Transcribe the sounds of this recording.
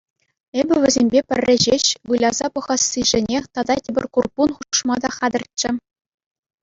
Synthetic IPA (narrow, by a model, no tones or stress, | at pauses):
ebʲɘ̆ʋʲɘ̆zʲemʲbʲepʲɘ̆rʲːɘ̆ʑeɕʋɯlʲɑzɑpɤ̆ʁɑsːiʐɘ̆nʲet̪ɑd̪ɑtʲibʲɘ̆rʲkurpunχuʂmɑd̪ɑχɑd̪ɤ̆rt̪̚t͡ɕɘ̆